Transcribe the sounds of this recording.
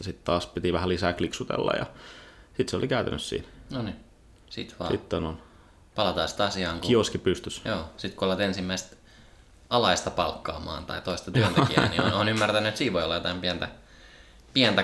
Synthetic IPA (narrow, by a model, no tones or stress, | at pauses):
ɑsit̪t̪ɑːspit̪iʋæhælisæːkliksut̪ḛlːɑ̰jɑ̰sit̪seo̰likæyt̪æ̰nːyssḭːnnoni | sit̪ʋɑ̰ːsit̪ːenon | pɑlɑt̪ɑːsi̥t̪ɑsiɑːŋkkuioskipyst̪ysjoːsit̪kuolʋɑt̪ensimːæist̪ | ɑlɑist̪ɑpɑlkːɑ̰ːmɑ̰ːnt̪ɑ̰it̪oist̪ɑt̪yønt̪ekiæ̰niononymːært̪ænyet̪siːʋʋoiolːɑjot̪ɑmpiænt̪æ | piænt̪æ